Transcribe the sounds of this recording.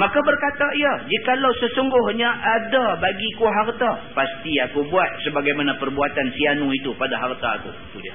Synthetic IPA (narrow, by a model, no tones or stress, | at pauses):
makabərkat̪aiad͡ʒikalawsəsuŋɡʊhɲaʔadabaɡikuɦart̪apast̪iakubuat̪̚səbaɡajmanapərbuat̪ansianuit̪upadaɦart̪aːkṵ | t̪udia